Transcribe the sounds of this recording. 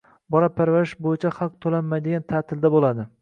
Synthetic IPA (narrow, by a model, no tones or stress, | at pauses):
bɒɾapʰaɾvaɾɪʃbojɪt͡ʃʰahɑq̚t̪ʰolamːajd̪eɡʲant̪ʰat̪ʰɪld̪abolad̪ɪ